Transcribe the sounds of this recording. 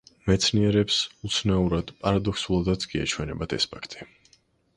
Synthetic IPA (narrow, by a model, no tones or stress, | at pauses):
mɛt̪sʰniɛɾɛpsut̪sʰnauɾad̪̥pʼaɾad̪ɔksulˠad̪at̪sɡʼia̰t͡ʃʰwɛnɛbat̪ʰɛ̰spʰakʰt̪ʼi̥